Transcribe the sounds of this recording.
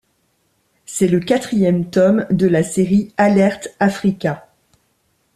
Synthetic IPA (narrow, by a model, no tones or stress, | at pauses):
sɛləkat̪χijɛmt̪ɔmd̪əlaseʁialɛʁt̪afχikʲa